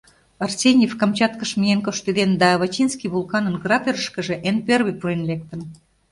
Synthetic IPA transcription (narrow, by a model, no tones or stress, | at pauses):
ɑrsʲenʲefkɑmt͡ɕɑt̪kəʃmijenkoʃt̪ed̪end̪ɑːβɑt͡ɕinskiβulˠkɑnə̆nɡrɑpʲerəʃkə̆ʒeʔenperβepuɾenlek̚t̪ən